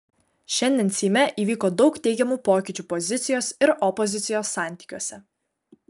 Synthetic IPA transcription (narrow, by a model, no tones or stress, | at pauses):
ʃʲɛnʲd̪ʲɛnsʲiːmʲɛʔiːʋʲiːkoːd̪ɒʊkt̪ʲɛɪɡʲɛmuːpoːkʲɪːˑt͡ʃʲuːpɔzʲɪt̪sʲɪjoːsɪɾɔpɔzʲɪt̪sʲɪjoːsːɑˑnʲt̪ʲiːkʲuɔsʲɛ